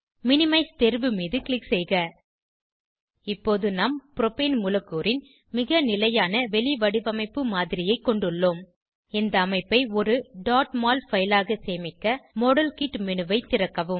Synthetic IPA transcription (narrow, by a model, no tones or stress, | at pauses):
mɪnɪmɐɪst̪ɛɾʋɯmiːðɯkɭɪksɛjɣɐ | ɪpːoːðɯnaːmpɪɾɔpeːnmʊlɐkːoːɾɪn | mɪɣɐnɪlɐjaːnɐʋɛɭɪʋɐɽɯʋɐmɐɪpːɯmaːðɪɾɪjɐɪkːɔɳɖɯɭːoːm | ɛnd̪ɐːmɐɪpːɐɪɔɾɯɖaːʈmaːlfɐjlaːɣɐseːmɪkːɐmɔɽɐlkiʈmɛnɯʋɐɪt̪ːɪɾɐkːɐʋɯm